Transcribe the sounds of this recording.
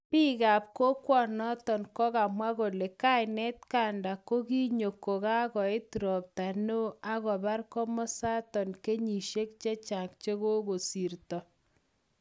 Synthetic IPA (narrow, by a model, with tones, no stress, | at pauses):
pi˦ɣa˨p̚ko˦kwɔ˨nɔ˦tɔ˨nkɔ˦ka˨mwa˦ɣo˨le˨ka˦ɪ˨nɛ˦t̚ka˨nda˨ko˦ki˦ɲo˨ko˨ka˦ɣɔ˨e˦tu˨ɾɔ˨p̚ta˨no˦a˦ɣɔ˨ba˦rkɔ˦mɔ˦sa˦tɔ˨nke˦ɲi˨ʃe˦kt͡ʃe˦t͡ʃa˨kt͡ʃe˦ɣo˦ɣo˨si˨rtɔ˨